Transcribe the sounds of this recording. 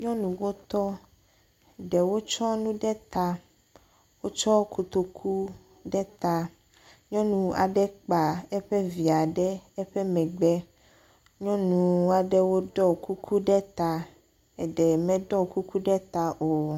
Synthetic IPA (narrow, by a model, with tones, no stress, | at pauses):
ɲɔ̃˦nũ˨wo˦t̪ɔ˦ | ɖɛ˨wo˦t͡ʃɔ˦nũ˦ɖɛ˦t̪a˨ | wo˦t͡ʃɔ˦ku˨t̪o˨kʰu˦ | ɖɛ˦t̪a˨ | ɲɔ̃˦nũ˨a̰˨ɖɛ˦k͡pa˨ɛ˦ɸe˦vi˨a˨ɖɛ˦ɛ˦ɸe˦mɛ̃˨ɡ͡bɛ˦ | ɲɔ̃˦nũ˨a˨ɖe˦wo˦ɖɔ˦ku˦kʰu˦ɖɛ˦t̪a˨ | ɛ˨ɖɛ˨mɛ̃˦ɖɔ˦ku˦ku˦ɖɛ˦t̪a˨ʔo˨